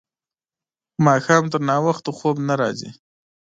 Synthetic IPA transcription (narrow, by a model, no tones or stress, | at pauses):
mɑːxɑːmt̪əɾnɑwaxt̪oxobnaɾɑ̰zḭ